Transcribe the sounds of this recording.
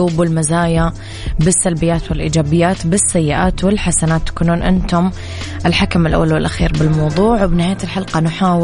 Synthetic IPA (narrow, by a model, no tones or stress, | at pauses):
uːbwɪlmazaːja | bɪsːalbɪjːaːt̪wɪlʔḭːd͡ʒaːbɪjːaːt̪bɪsːajːɪʔaːt̪wɪlħasanaːt̪ːḁkuːnuːnʔɪ̰nt̪ʊm | ʔɪlħakamɪlʔa̰wːalwɪlʔaxiːɾbɪlmɑwðˤuːʕwbɪnɪhaːjːat̪ɪlħalqɑnʊħaːw